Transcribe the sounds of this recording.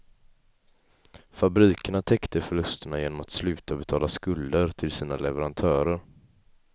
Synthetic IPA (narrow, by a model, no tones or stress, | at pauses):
fabɾiːkəɳat̪ʰɛkt̪əfœɭɵst̪əɳajeːnɔmat̪slʉ̟ːt̪abɛt̪ʰɑːlaskɵld̪əɾt̪ʰɪlsiːnalɛvəɾant̪ʰœːɾəɾ